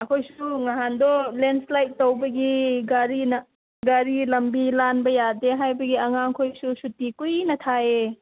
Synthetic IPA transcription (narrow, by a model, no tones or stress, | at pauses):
ɐkʰojsuŋaɦandɔlenslajtːowbɐɡiɡaɾinɐ | ɡaɾilɐmbilanbɐjadeɦajbɐɡiɐŋaŋkʰojsusutikujnɐtʰae